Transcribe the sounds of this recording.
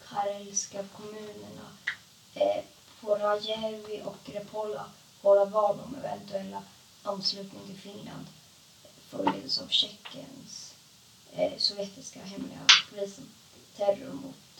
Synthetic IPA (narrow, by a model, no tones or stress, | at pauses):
kʰaɾɛlskakʰɔmʉ̟ːnəɳa | fʰɔɾajɛhɛlvɪʔɔkɾɛpʰɔlːa̰ | voːɾavɑːlɔ̰mɛ̰vɛ̰nt̪ɵɛlːa | anːslʉ̟ːt̪nɪŋt̪ʰɪlfɪnla̰nd̪ | fœbleə̰d̪əsavɕɛkːə̰ns | sɔvjɛt̪ɪskaɦɛmlɪ̰ɡa̰pʰʊliːsən | t̪ʰæɾʊɾmʊ̰t̪